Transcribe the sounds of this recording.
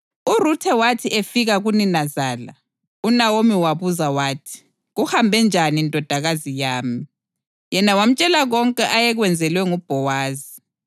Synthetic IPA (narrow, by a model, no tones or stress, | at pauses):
urutʰɛwatʰiʔefiɣaɣuninazaːla | unawomiwaβuzawaːtʰi̥ | ɣuhambʱɛnd͡ʒʱanindʼʱɔd̥ʱaɣazijaːmi | jɛnawam̩t͡ʃʼɛlaɣɔŋkʼɛʔajɛɣwɛnd͡zʱɛlwɛŋub̥ʱɔwaːzi